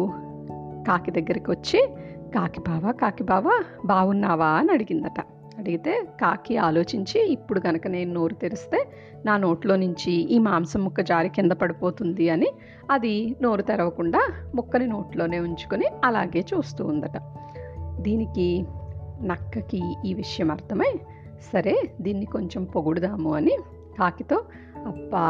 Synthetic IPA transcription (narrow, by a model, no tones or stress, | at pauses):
kaːkid̪ɐɡːɐɾikiʋɐt͡ʃːikaːkibʱaːʋaːkaːkibaːʋaː | bʱaːʋunːaːʋaːnɐɽiɡind̪ɐʈɐ | ɐɽiɡit̪e̞ːkaːkiaːlo̞ːt͡ʃiɲt͡ʃiːpːuɽuɡɐnɐkɐne̞ːnuno̞ːɾut̪eɾust̪e̞ː | naːno̞ːʈlo̞ːnuɲt͡ʃiiːmaːmsɐmːɔkːɐd͡ʒaːɾikind̪ɐpɐɽipo̞ːt̪und̪iɐni | ɐd̪ino̞ːɾut̪ɛɾɐʋɐkuɳɖaːmukːɐnino̞ːʈlo̞ːne̞ːuɲt͡ʃu̥koniɐla̰ːɡe̞ːt͡ʃuːst̪ṵːnd̪ɐʈɐ | d̪iːniki | nɐkːɐkiiːʋiʂɐjɐmɐɾt̪ʰɐmɐj | sɐɾe̞ːd̪iːnːiko̞ɲt͡ʃempo̞ɡuɽud̪aːmuɐni | kaːkit̪o̞ː | ɐpːaː